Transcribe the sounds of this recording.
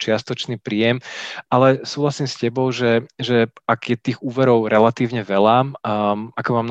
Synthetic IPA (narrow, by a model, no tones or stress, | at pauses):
t͡ʃɪast̪ɔt͡ʃniːpɾiːjɛmʔalɛsuːɦlasiːmscɛbɔʊʒɛʒɛaɡjɛt̪iːɣuːʋɛɾɔʊɾɛlat̪iːʊɲɛʋɛla | akɔmaːmn